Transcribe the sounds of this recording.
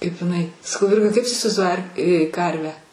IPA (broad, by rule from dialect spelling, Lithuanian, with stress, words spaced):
kɐɪp ɪˈnɐɪ sɐˈkɐʊ ˈʋʲɪrɡɐ kɐɪp tʊ ɪsʲɪʋɐɪzˈduɔjɪ ɐr ˈkɐrʲʋʲæː